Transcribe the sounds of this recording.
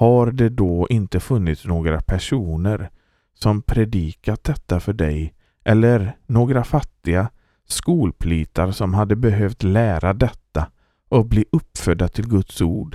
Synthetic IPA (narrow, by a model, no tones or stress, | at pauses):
haɾd̪ɛd̪ɔʔɪnt̪əfɵnːɪt̪snoːɡɾapʰæʂuːnəɾ | sɔmpʰɾɛd̪iːkat̪̚d̪ɛt̪ːafœɖɛj | ʔɛlːəɾnoːɡɾafat̪ːɪɡa | skuːlpʰliːt̪ʰaɾsɔmɦad̪ːəbɛɦøːvt̪læːɾad̪ɛt̪ːa | ʔɔbliːʔɵpːfœd̪ːat̪ʰɪlɡɵt̪suːɖ